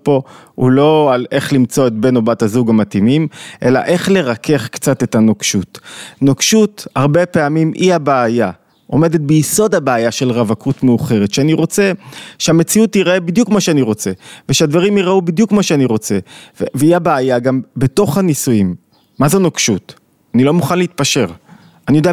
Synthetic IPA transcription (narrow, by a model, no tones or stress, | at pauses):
po̞ṵlo̞ale̞χlimt͡so̞etbe̞nobathazuɡamatimimʔe̞la̰ʔe̞χle̞ʁake̞χkt͡sate̞tanokʃutnokʃuthaʁbe̞pe̞amimʔihabeːja | ʔome̞de̞t̪̚bejiso̞dhabeajaʃe̞lʁavakʰutmeuχe̞ʁetʃeaniʁo̞t͡se̞ʃeame̞t͡siutiʁebid̪jukmaʃeaniʁo̞t͡se̞veʃead̪vaʁimiʁaubid̪jukmaʃeaniʁo̞t͡se̞veveiabaːjaɡambe̞to̞χhanisujimː | azonokʃut | anilo̞muχanleit̪̚paʃe̞ʁ | anijodea